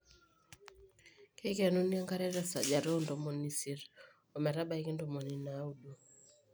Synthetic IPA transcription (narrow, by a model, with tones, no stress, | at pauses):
ke˦ke˨nu˦ni˦a˦ŋka˦ɾɛ˦ɾɛ˨sa˨d͡ʒa˨ɾo˦ndo˨mo˨ni˨si˦ɾ | ɔ˨mɛ˨ɾa˦ba˨i˦ki˦ndo˨mo˨ni˨na˨˦u˨du˦